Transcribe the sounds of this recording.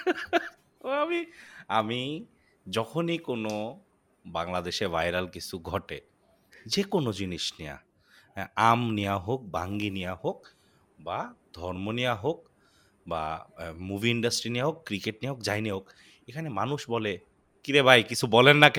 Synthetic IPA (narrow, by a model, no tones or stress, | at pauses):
amiami | d͡ʑɔkʰonikono | baŋlad̪eʃeɾvajɾalkit͡ɕʰuɡʱɔʈe | d͡ʑekonod͡ʑiniʃneja̰ | amnijaɦok̚baŋɡinijahok | bad̪ʱɔɾmonijaɦok̚ | ba̰mubʱiiɳɖasʈɾinijaɦokːɾikeʈ̚nijaɦokd͡ʑajneok | ekʰanemanuʃbɔle | kiɾebʱajkit͡ɕʰubɔlenːak